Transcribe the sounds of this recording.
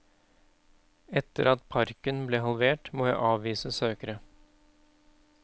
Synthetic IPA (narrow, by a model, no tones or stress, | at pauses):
ɛt̪ːəɾɑt̪̚pʰɑɾkənbleːɦɑlʋeːʈmoːjæɪʔɑːʋʋiːsəsøːkəɾə